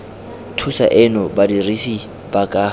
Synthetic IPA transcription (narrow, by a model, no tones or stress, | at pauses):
tʰusa̰ʔɪnɔbadirisi | bakʼa